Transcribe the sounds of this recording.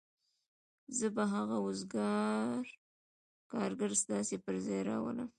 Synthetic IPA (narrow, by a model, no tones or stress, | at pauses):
zəbaɦaɣaʊzɡɑɾ | kɑɾɡaɾst̪ɑsepəɾzɑjɾɑ̰wə̰lə̰m